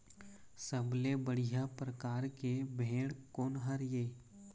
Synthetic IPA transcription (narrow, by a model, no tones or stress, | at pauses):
səblebəɽ̤ijapɾəkaːɾkebʱeːɽkoːnɦəɾjeː